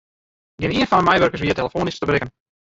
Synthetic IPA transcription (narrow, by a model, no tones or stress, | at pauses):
ɡɪniənfɔndəmɛjʋørkərsʋiəteləfoːnɪstəbrɪkən